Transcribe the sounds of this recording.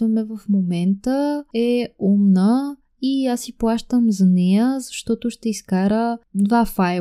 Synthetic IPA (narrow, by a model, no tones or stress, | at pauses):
vɐmɛvɐfmomɛnt̪əɛumnə | iasiplˠaʃt̪əmzɐnɛjəzɐʃt̪ɔt̪ʊʃt̪ɛiskaɾəd̪vafaj